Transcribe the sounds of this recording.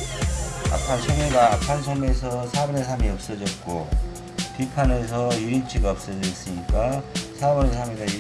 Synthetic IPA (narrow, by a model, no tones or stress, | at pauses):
a̰pʰansʰʌmeɡaːpʰansʰʌme̞sʰʌsʰabʌɾesʰamiʌp̚s͈ʌd͡ʑʌt̚k͈o | pipʰane̞s̬ʰʌjuint͡ɕʰiɡaʌp̚s͈ʌd͡ʑʌis͈ɯɲik͈asʰabʌɾesʰameɡaj